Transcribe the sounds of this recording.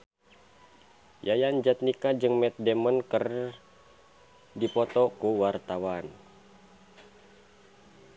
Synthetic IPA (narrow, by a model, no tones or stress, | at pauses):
jajand͡ʒat̪̚nikad͡ʒɨŋmɛt̪̚dɛmənkər | dipɔt̪ɔkuwart̪awan